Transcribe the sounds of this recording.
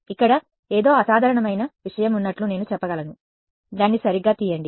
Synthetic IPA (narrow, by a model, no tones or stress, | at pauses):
ikːɐɽɐ | eːd̪o̞ːɐsaːd̪ʱɐɾɐɳɐmɐjnɐʋiʂɐjɐmunːɐʈlune̞ːnut͡ʃɛpːɐɡɐlɐnu | d̪aːnːisɐɾiɡːaːt̪iːjɐɳɖi